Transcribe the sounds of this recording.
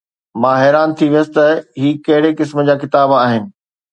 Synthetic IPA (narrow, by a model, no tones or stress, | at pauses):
mãːɦɛːɾaːnt̪ʰiʋijəsɪ̥t̪ɐɦiːkɐɦɪɽekɪsmə̆d͡ʑaːkɪt̪aːbaːɦɪnɪ̆